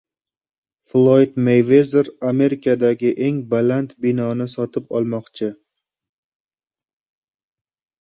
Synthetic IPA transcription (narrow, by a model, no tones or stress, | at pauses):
flˠojd̪mejvezeɾame̞ɾɪkʰad̪aɡʲɪʔe̞ŋbalant̪bɪnɒnɪsɒt̪ʰɪp̚ɒlˠmɒqt͡ʃʰɪ